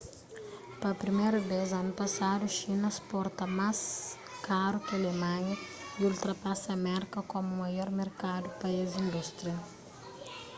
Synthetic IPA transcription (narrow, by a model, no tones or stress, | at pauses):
pɐpɾimejɾɐvezɐnupɐsad̪uʃinɐspɔɾt̪ɐmas | kaɾukɪɐlemɐ̃ɲɐiult̪ɾɐpasɐmɛɾkɐkomumɐjɔɾmeɾkad̪upɐizĩnd̪ust̪ɾiɐ